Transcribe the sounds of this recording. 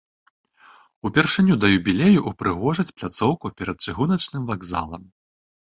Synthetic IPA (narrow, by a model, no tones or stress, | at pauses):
upʲɛrʂɨnʲud̪ɐjubʲilʲɛjuʔupɾɨɣɔʐɐt͡sʲplʲat̪sɔwkupʲɛɾɐt̪̚t͡ʂɨɣunɐt͡ʂnɨmvaɡza̰lˠɐm